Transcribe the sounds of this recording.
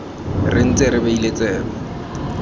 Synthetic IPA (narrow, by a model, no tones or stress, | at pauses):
rɪn̩t͡sʼɪɾɪbailet͡sʼɛːkɔ